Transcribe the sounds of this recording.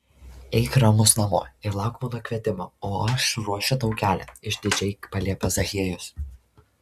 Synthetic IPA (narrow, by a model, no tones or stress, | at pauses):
ɛɪkɾɐmʊsnɐmo̰ːɪɾlˠɑˑʊkmod̪okʲʋʲiɛt̪ʲɪmooːɐʃɾuɔʃʲʊt̪ɒʊkʲæːlʲɛ̰ɪʒʲd̪ʲɪd͡ʒʲɛɪpɐlʲiɛpʲɐzɐxʲiɛjʊs